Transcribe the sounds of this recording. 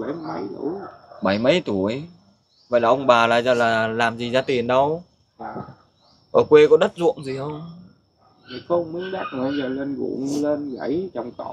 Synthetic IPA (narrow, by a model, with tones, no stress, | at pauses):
ɓə˨˦jmə˧˦jt̪u˧˩˦əɓə˧˩˦jmə˦˧˥jt̪u˧˩əj | və̰˧˨laː˨˩ʔə˧wŋ͡mɓaː˨˩laː˨˩zəː˨˩laː˨˩laː˨˩mzi˨˩zaː˧t̪i˨˩ənɗə˧w | ʔəː˨˩kwe˧kɔ˨˦ɗə˦˥t̚zʊ̰˧˨əŋzi˨˩hə˧wŋ͡m | ə˨˩kə˧ŋ͡mmi˨˦ŋɗa˦˥k̚ə˨˩˨zəː˨˩le˧nɣṵ˧˩ŋle˧nɣa˧˩˦jt͡ɕɔ˨˩wŋ͡mt̪o˧˩˦